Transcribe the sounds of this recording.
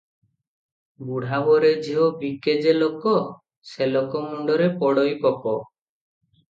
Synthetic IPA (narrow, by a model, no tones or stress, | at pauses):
muɽ̤abɔɾed͡ʒiɦobiked͡ʒelokɔ | selokɔmuɳɖɔɾepɔɽɔjpɔkɔ